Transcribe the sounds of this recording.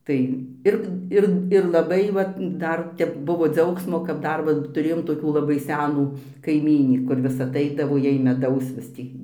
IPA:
ˈtɐɪ ˈɪr ˈɪr ɪr lˠɐˈbɐɪ ˈʋɐt ˈdɐr ˈtʲɛp ˈbʊʋoː ˈd͡zʲɛʊksmoː kɐt ˈdɐr ʋɐ tʊˈrʲeːjoːm toːˈkʲuː lˠɐˈbɐɪ ˈsʲæːnuː kɐɪˈmʲiːnʲiː kʊr ˈʋʲɪs ɐˈtɐɪdɐʋoː ˈjɛɪ mʲɛˈdɐʊs ʋʲɪs ˈtʲiː

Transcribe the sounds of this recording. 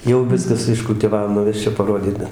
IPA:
jɛʊ ˈʋʲɪskɐs ɪʃkʊlʲtʲɪˈʋɐw nʊˈʋʲæːsʲt͡ʃʲɛʊ pɐˈroːdʲiːt ˈbʲɛt

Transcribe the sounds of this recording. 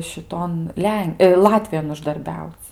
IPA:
ʃʲɪˈtoːn ˈlʲɛn ˈlˠɑːtʲʋʲɪjoːn ʊʒdɐrʲˈbʲɛʊt͡sʲ

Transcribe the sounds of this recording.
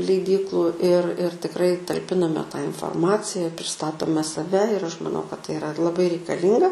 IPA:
lʲɛɪˈdʲiːklˠʊ ɪr ɪr tʲɪkˈrɐɪ tɐlʲˈpʲɪnɐmʲɛ tɑː ɪnfoːrˈmɑːt͡sʲɪjɛ pʲrʲɪsˈtɑːtoːmʲɛ sɐˈʋʲɛ ɪr ˈɐʃ mɐˈnɐʊ kɐt tɐɪ ɪˈrɐ lˠɐˈbɐɪ rʲɛɪkɐˈlʲiːŋɡɐ

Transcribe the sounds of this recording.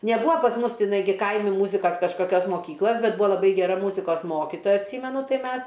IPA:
nʲɛˈbuːɐ pɐs ˈmʊs tʲɪˈnɐɪ ˈɡʲɪ ˈkɐɪmʲɪ ˈmuːzʲɪkɐs kɐʃkɐˈkʲoːs moːˈkʲiːklˠɐs ˈbʲɛt ˈbuːɐ lˠɐˈbɐɪ ɡʲɛˈrɐ ˈmuːzʲɪkoːs ˈmoːkʲɪtoːjɛ ɐtʲˈsʲiːmʲɛnʊ ˈtɐɪ ˈmʲɛs

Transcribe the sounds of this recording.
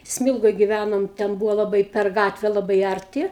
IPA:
ˈsʲmʲɪlˠɡoːj ɡʲɪˈʋʲænoːm tʲɛn ˈbuːʋoː lˠɐˈbɐɪ pʲɛr ˈɡɑːtʲʋʲɛ lˠɐˈbɐɪ ˌɐrʲˈtʲɪ

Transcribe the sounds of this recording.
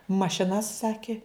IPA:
mɐʃʲɪˈnɐs ˈsɑːkʲɪ

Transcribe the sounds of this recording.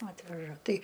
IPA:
ˈɑːtʲʋʲɛʒɐ ˈtɐɪ

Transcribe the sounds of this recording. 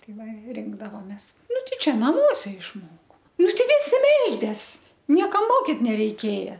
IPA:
ˈtɐɪ ˈʋɐ ˈrʲɪŋɡdɐʋoːmʲeːs ˈnʊ ˈtʲɛɪ ˈt͡ʃʲɛ ˈnɑːmuɔsʲɛ ɪʃmoːkoː ˈnʊ tʲɛɪˈɡʲɪ ʋʲɪˈsʲɪ ˈmʲɛlʲdʲeːs ˈnʲiɛkɐm ˈmoːkʲɪt nʲɛrʲɛɪˈkʲeːjɛ

